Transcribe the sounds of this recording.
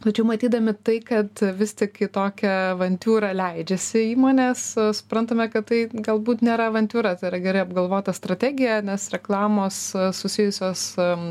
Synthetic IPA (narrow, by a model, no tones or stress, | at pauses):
t̪ɐt͡ʃʲɛʊmɐt̪ʲiːd̪ɐmʲɪt̪ɐɪkɐt̪ʋʲɪst̪ʲɪkɪt̪oːkʲɛʋɐnʲt̪ʲuːɾɐlʲɛɪd͡ʒʲɛsʲɪiːmoːnʲeːssʊ̥pɾɐnt̪ɐmʲɛkɐtt̪ɐɪɡɐlˠbuːt̪nʲeːɾɐʋɐnʲt̪ʲuːɾɐt̪ɐɪɾɐɡʲɛɾɐɪɐb̚ɡɐlˠʋoːt̪ʲɐst̪ɾɐt̪ʲæːɡʲɪjɛnʲɛsɾʲɛklˠɑːmoːssʊsʲɪjʊsʲoːs